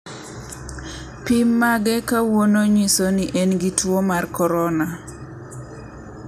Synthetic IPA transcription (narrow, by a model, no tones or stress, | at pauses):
pimːaɡɛkawonoɲisoniʔɛnɡitwomarkɔɾɔna